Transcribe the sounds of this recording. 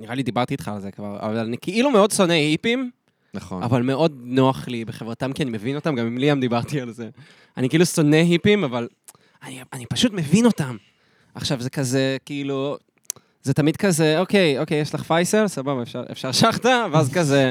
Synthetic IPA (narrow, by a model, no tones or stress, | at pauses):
niʁalid̪ibaʁt̪it̪χaːlze̞kvaʁa̰valanikiʔilumeo̞d̪so̞nehipim | naχna̰valmeo̞dnoaχlibeχe̞vʁatamkianime̞vino̞t̪amɡamimliamd̪ibaʁt̪ialze̞ | anikiiluso̞neɦipimaval | anianipaʃut̪me̞vino̞tam | ʔaχʃavze̞kazekiilu | zet̪amid̪̚kazeokejoke̞jeʃlaχfajselsababaefʃaʁḛfʃaʁʃaχt̪aveazkaze